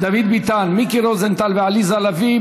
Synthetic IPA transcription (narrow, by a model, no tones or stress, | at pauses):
d̪avid̪bit̪anmikiɾozent̪albealizalavi